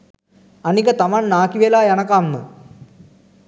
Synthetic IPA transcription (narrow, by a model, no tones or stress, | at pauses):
anikət̪amanːaːkiʋelaːjanəkamːə̰